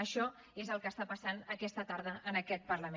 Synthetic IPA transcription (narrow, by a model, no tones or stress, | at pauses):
əʃɔ | ezəlˠkəːst̪apəsanəkɛst̪ət̪aɾðəʔənəkɛt̪̚pəɾləme